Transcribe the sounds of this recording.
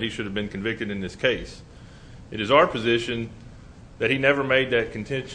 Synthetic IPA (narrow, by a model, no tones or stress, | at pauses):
t̚hiʃʊɾɨvbɨ̃nkʰɨ̃ɱvɪk̚tɨɾɨ̃nðɪskʰeɪs | ɨɾɨzaʊə˞pʰɨzɪʃɨ̃n | ðɨt̚hinɛvə˞meɪd̪̚ðɨt̚kʰn̩tʰɛ̃nʃ